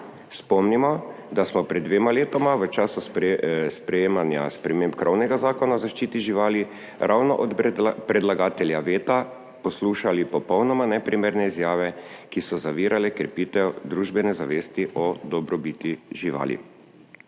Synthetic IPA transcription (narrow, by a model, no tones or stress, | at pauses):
spɔmnimɔ | d̪asmɔpɾɛd̪ːʋeːmaleːt̪ɔmaʋət͡ʃaːsusspɾɛjeːmanja̰spɾɛmeːmpkɾɔwnɛɡazaːkɔnazaʃt͡ʃiːt̪iʒiʋaːli | ɾʔawnɔʔɔt̪pɾɛd̪laɡaːt̪ɛljaʋeːt̪a | pɔsluːʃalipɔpɔwnɔmanɛpɾimeːɾnɛizjaːʋɛ | kisɔzaʋiːɾʔalɛkɾɛpiːt̪ɛwd̪ɾuːʒbɛnɛzaʋeːst̪iʔɔd̪ɔbɾɔbiːt̪iʒiʋa̰ːlḭ